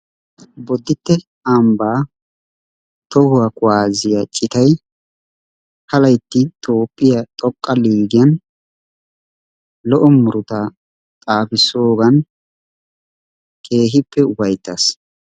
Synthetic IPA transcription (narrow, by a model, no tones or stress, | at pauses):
bɔd̪ːɪt̪ːɛ | ambaː | t̪ɔhʊwɐkʊwaːzɪjɐt͡ʃʼɪt̪ɐj | hɐlɐjt̪ːɪt̪ʰoːpʼːɪjɐt̪ʼɔkʼːɐliːɡɪjɐn | lɔʔɔmʊɾʊt̪a | t̪ʼaːfɪsoːɡɐn | kʰe̞ːɦɪpːɛʊfɐjt̪ːɐs